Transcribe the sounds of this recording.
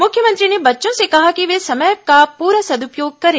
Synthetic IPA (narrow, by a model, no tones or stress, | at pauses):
mʊkʰjəmə̃nt̪ɾinebɐtːʃõsekɐɦakiʋeːsɐməjkapuːɾəsɐd̪ʊpjoːɡ̚kɐɾeː